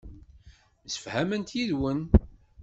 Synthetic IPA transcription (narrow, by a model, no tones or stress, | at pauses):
sə̥fhæmənt̪jiðwən